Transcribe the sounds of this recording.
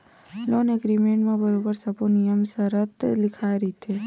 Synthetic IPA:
lonɛɡɾimeɳʈmãbəɾobəɾsəponijəmsəɾət̪lɪkʰaɾit̪ʰe

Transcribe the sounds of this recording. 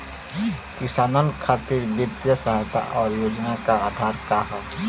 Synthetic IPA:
kɪsaːnənkʰaːt̪iɾbjət̪jəsaɦajt̪ʰa̰ʔɔːɾjoːd͡ʒnakaaːd̪ʱaːɾkaɦa

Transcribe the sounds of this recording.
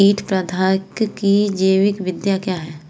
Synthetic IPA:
iːʈʰpɾəd̪ʱaːkkid͡ʒeːʋɪkʋɪd̪jakjaːɦɛː

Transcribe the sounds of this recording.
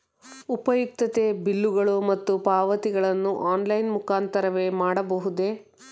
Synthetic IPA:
upɐjuk̚t̪ɐt̪e̞bilːuɡɐɭumɐt̪ːupaːʋɐt̪iɡɐɭɐnːuʔaːnlɐjnmukaːnt̪ɐɾɐʋe̞ːmaːɽɐbɐɦud̪e̞

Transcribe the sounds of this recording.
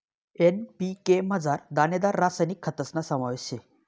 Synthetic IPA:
enpikeməd͡zaɾd̪aned̪aɾːasajnikʰːət̪əsnasəmaʋeɕe

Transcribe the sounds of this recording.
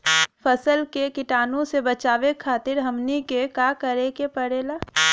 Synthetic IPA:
fɐsəlkekɪʈaːnõsebɐt͡ʃaːwekʰaːt̪ɪɾɦɐmnikekaːkəɾekepəɽeːlaː

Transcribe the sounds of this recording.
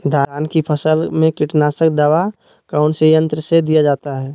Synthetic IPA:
d̪ʱaːɾaːnkipʰəsəlmẽkɪʈnaːsək̚d̪aːʋa | kaʊnsejə̃nt̪ɾəsed̪ijad͡ʒaːt̪aɦɛː

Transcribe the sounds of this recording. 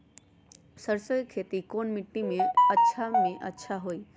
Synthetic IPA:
səɾsojkʰeːt̪ikoːnmɪʈːimẽətːʃʰamẽʔətːʃʰaɦoːiː

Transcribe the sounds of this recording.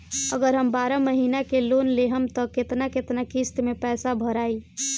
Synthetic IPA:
əɡəɾɦəmbaɾaməɦinakelonleɦəmt̪ɔket̪naket̪nakist̪mepɛsabʱəɾai

